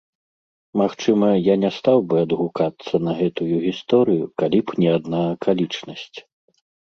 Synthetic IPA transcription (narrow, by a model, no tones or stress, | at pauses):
maxt͡ʂɨmɐjanʲɛst̪awbɨɐd̪ɣukat̪sːɐnɐɣɛt̪ujuɣʲist̪ɔɾɨjukalʲipnʲɛad̪nakʰalʲit͡ʂnɐsʲt͡sʲ